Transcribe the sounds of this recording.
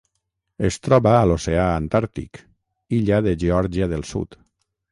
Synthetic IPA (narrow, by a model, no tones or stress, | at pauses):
est̪ɾɔβaːloseaːnt̪aɾt̪ḭk | iʎaðeʒeɔɾʒiaðelˠsṵt̪